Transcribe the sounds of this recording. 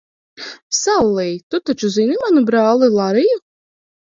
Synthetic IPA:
salˠːijt̪ut̪at͡ʃuzinimanubɾaːlˠilˠaɾiju

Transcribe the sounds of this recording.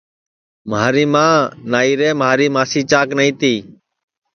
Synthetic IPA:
maːɾiːmãːnaːiːɾeːmɦaːɾiːmãːsiːt͡ʃaːknəĩːt̪iː

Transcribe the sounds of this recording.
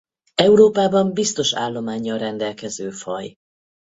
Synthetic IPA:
ɛuɾoːpaːbɒmbist̪o̞ʃa̰ːlːo̞maːɲːɒlrɛnd̪ɛlkɛzøːfɒ̰j

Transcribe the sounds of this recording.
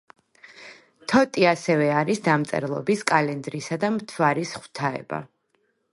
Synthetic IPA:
t̪ʰɔt̪ʼiasɛvɛaɾisd̪amt̪sʼɛ̰ɾlˠɔ̰biskʼalɛnd̪ɾisad̪amt̪ʰvaɾisχw̥t̪ʰaɛ̰ba̰

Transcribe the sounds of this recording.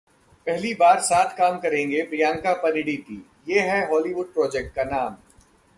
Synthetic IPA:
pɛɦlibaːɾsaːt̪ʰkaːmkɐɾẽːŋɡepɾijãːŋkapɐnɪɽik̪i | jeːɦɛɦɔːliʋʊɖ̚pɾɔːd͡ʒɛk̚ʈ̚kanaːm

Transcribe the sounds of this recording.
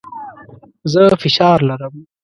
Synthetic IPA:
zəfɪʃɑːɾlaɾəm

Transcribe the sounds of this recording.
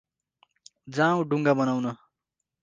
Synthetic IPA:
d͡zãw̃ɖuŋɡabʌnawnʌ

